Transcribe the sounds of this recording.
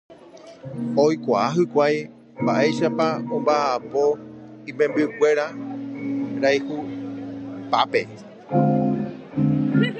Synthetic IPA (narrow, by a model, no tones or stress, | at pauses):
ojkʷaaɦɨkʷaj | mbaʔe̞ʃapaõmbaʔapo̞ĩmẽ̞mbɨkʷe̞ɾa | ɾajhu | pape̞